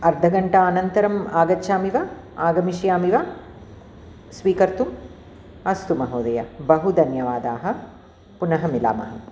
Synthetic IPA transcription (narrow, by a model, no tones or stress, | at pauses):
ɐɾd̪ʱɐɡɐɳʈɐaːnɐnt̪ɐɾɐmaːɡɐtːʃʰaːmiʋɐ | aːɡɐmiʃjaːmiʋa | sʋiːkɐɾt̪um | ɐst̪umɐɦoːd̪ɐjɐbɐɦud̪ʱɐnjɐʋaːd̪aːɦɐ̆ | punɐɦɐmila̰ːmɐ̰ɦɐ